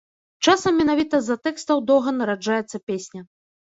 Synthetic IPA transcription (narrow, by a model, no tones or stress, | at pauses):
t͡ʂasɐmːʲɛnavʲit̪ɐzːɐt̪ɛkst̪ɐwd̪ɔɣɐnɐɾad͡ʐajɛt̪sːɐpʲesʲnʲɐ